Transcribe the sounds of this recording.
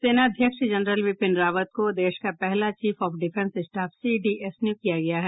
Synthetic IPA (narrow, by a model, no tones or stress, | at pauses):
seːnad̪ʱjəkʃd͡ʒɐnɾəlʋɪpɪnɾaːʋət̪̚kod̪eːʃkapɛɦlat͡ʃiːfɔːfɖɪfɛ̃nsɪsʈaːfsiɖiʔesnjukijaɡɐjaɦɛː